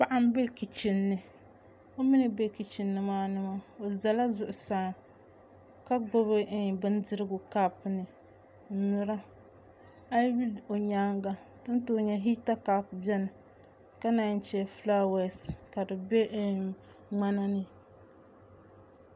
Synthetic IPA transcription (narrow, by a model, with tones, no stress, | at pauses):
pa˨ʔa˦m˦be˦ki˨t͡ʃɪ˨nːɨ˨ | o˦mɪ˦nɨ˨be˦ki˨t͡ʃɪ˨nːɨ˨maː˦nɨ˦ma˦o˨za˨la˦zʊ˨ʔʊ˨saː˨˦˨ŋ | ka˦ɡo˦βɨ˦˨bɨ˦ndɨ˦ɾɨ˦ɡʊ˨ka˦pnɨ˨˦ | nʊ˨ɾa˦ | a˦bi˦lo˨ɲaː˦ŋɡa˦tɨ˦n˦to˨˦˨ɲɛ˨ɦi˦ta˦ka˨pbɛ˦nɨ˨ | ka˦na˨˦n˦t͡ʃɛ˦˨flaː˦wɛ˦˨ska˨dɨ˨be˦ | ŋ͡ma˦na˦nɨ˨